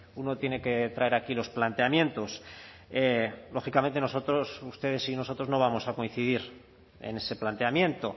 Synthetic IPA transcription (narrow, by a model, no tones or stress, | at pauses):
uno̞t̪je̞ne̞ke̞t̪ɾae̞ɾakilo̞splant̪e̞amje̞nt̪o̞s | elo̞xikamẽ̞nt̪e̞noso̞t̪ɾosust̪e̞ðe̞sino̞so̞t̪ɾo̞zno̞β̞amo̞sako̞in̟θiðiɾ | ḛne̞se̞plant̪e̞amjẽ̞nt̪o̞